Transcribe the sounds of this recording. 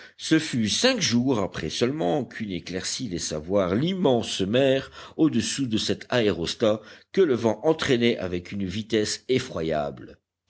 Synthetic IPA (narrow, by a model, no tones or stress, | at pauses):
səfysɛ̃kʒuʁapχɛsəlmɑ̃kʰyneklɛʁsilɛsa̰vwaʁlimɑ̃smɛʁod̪əsud̪əsɛt̪ʰaeʁɔst̪akələvɑ̃ʔɑ̃t̪χɛnɛʔa̰vɛkynvit̪ɛsefχwaja̰bl